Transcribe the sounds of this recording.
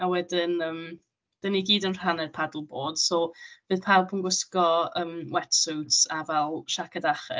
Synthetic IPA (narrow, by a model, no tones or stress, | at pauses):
awɛdɪnəːm | d̥əniɡiːdənr̥anɛd̥̚pʰadlˠboːd̥sob̥ɨːðpʰalˠpʰənɡʊskɔəːmwɛtsuwtavɛlˠʃakʰadaχɛ̰